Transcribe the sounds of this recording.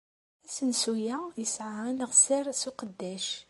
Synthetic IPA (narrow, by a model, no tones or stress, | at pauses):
æsənsujæjəsʕanəʁsɪɾˤsuqəd̪ːæʃ